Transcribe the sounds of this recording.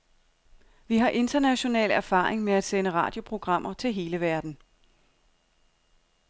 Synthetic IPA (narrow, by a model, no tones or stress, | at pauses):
ʋiɦɑ̈ʔe̝nd̥ɐnæɕo̝nɛ̰ːlæɐfɑ̈ːeŋmeæd̥senəʁɑ̈ːd̥jo̝pʰʁo̝ɡ̥ʁɑ̈m̰ɐt͡sʰe̝lɦe̝ːləʋæɐd̥n̩